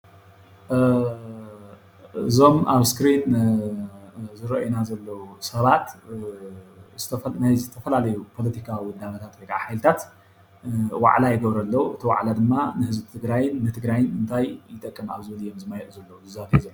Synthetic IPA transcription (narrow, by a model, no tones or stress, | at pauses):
ɨzo̞maβskɾin | zɨɾɐʔjnazɐlːɐwusɐβat̪ | zɨt̪ʰɐnajzɨt̪ʰɐfɐlalɐjupʰo̞lɐt̪ʰikʰawiwʊd̪ːamɐt̪ʰat̪wojkʼaa̰ħajlɨt̪ʰat̪ | wa̰ʕlajɪɡɐβɾɐlːɐwuɨt̪ʰiwa̰ʕlad̪ɨmːanɨhɨzbt̪ʰɨɡɾajɪnːɨt̪ʰɨɡɾajɪnɨnt̪ʰajjɨt̪ʼɐkʼːɨma̰βzɨβɐlijːomzɨmajɛʔzɐlːɐwuzɨzat̪ʰiizɐ